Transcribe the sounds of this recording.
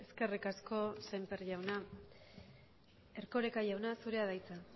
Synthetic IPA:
e̞ske̞rikasko̞sempeɾʝawna | e̞ɾko̞ɾe̞kaʝawnasuɾe̞aðajt͡sa

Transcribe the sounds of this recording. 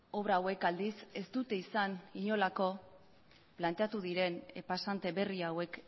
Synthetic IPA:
o̞β̞ɾaːwe̞kald̪ise̞st̪ut̪e̞isaniɲo̞lako̞ | plant̪e̞at̪uð̞iɾe̞nepasant̪e̞βe̞riawe̞k

